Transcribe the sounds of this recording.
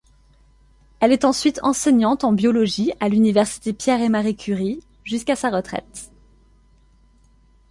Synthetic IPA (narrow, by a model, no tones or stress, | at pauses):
ɛlɛt̪ɑ̃sɥit̪ʰɑ̃sɛɲɑ̃t̪ɑ̃bjɔlɔʒialynivɛʁsi̥t̪epjɛʁemaʁikʲʰyʁi | ʒyskasaʁət̪χɛ̰t̪